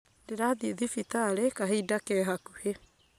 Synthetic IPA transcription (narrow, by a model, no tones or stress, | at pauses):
deɾaðieðifit̪aːɾekaɦiidakɛɦakuhe